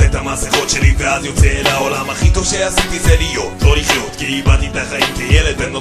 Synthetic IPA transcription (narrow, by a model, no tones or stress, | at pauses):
et̪hamasiχo̞t̪ʃeliveazjot͡seːlaolamhaχit̪oʃeasit̪izelijo̞t̪lo̞liχjo̞t̪kiibat̪it̪aχaimkejeled̪beno